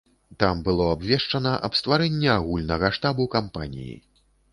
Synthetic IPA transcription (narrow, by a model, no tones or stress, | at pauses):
t̪ambɨlˠɔabvʲɛʂt͡ʂɐnɐʔɐpst̪vaɾɛnʲːɛaɣulʲnɐɣɐʂt̪abukampa̰nʲḭjḭ